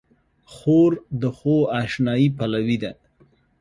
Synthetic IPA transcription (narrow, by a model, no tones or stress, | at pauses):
xoɾd̪əxoaʃnɑjipalawid̪a